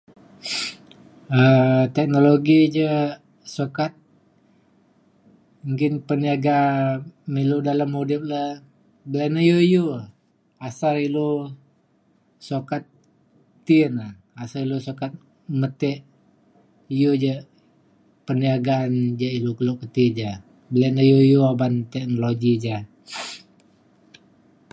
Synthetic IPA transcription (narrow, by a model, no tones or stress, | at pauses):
ət̪ɛk̚noloɡid͡ʒə | sokat̪̚ | uŋkɪnpəniaɡa | miludalamhodɪf̚la | bəlanəjojo | asalilo | sokat̪̚ː | ina | asaɾilosokat̪̚ | mət̪ɛʔ | ijud͡ʒa | pəniaɡand͡ʒailukəlokət̪id͡ʒa | bəlɛnəjoijuabant̪ɛk̚noloɡid͡ʒa